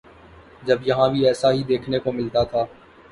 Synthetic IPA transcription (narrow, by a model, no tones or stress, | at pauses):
d͡ʒɐbjɐɦãbʱiɛːsaɦid̪eːkʰnekomɪlt̪at̪ʰaː